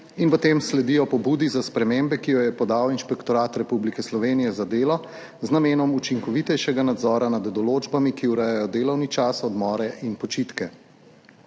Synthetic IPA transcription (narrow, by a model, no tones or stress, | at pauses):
inpɔt̪emslɛd̪ijɔpɔbuːd̪izaspɾɛmembɛkijɔjɛpɔd̪awinʃpɛkt̪ɔɾaːt̪ɾɛpublikɛslɔʋeːnijɛzad̪eːlɔ | znameːnɔmut͡ʃiŋkɔʋit̪ɛjʃɛɡanad̪zɔːɾanad̪ːɔloːd͡ʒbamikiuɾɛjajɔd̪eːlɔwnit͡ʃaːsɔd̪mɔːɾɛʔinpɔt͡ʃit̪kɛ